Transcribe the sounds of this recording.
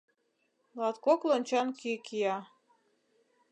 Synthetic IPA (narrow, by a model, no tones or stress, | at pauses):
lɑt̪koklonʲt͡ɕɑnkikijɑ